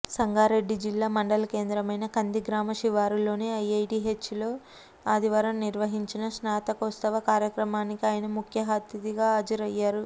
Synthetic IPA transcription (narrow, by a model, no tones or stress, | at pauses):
sɐŋɡaːɾe̞ɖːid͡ʒilːaːmɐɳɖɐlɐke̞ːnd̪ɾɐmɐjnɐkɐnd̪iɡɾaːmɐʃiʋaːɾulo̞ːneːɐjɐjʈiːɦet͡ʃːulo̞ː | aːd̪iʋaːɾɐmniɾʋɐɦiɲt͡ʃinɐʃnaːt̪ɐkost̪ɐʋɐkaːɾjɐkɾɐmaːnikiaːjɐnɐmukʰjɐɦaːt̪jɐd̪iɡaːaːd͡ʒɐɾɐjːaːɾu